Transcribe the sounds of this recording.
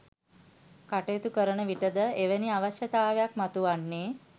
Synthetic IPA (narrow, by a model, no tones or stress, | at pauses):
kaʈet̪ukəɾəɳəʋiʈəd̪əeʋeniaʋaɕət̪aːʋjakmat̪uʋaɳːe